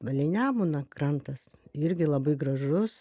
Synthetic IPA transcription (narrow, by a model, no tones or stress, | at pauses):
ʋɐlʲɛɪnʲæːmunɐkrɐnt̪ɐsɪɾʲɡʲɪlˠɐbɐɪɡrɐʒʊs